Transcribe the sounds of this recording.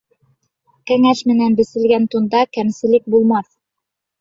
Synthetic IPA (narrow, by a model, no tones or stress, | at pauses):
kæŋæʃmɘ̆nænbɘ̆sɘ̆lɡænt̪und̪ɑkæmsɘ̆lɘk̚bulˠmɑθ